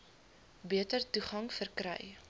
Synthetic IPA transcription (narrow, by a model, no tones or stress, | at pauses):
biətərtuχɐŋfərkɾɛ̰j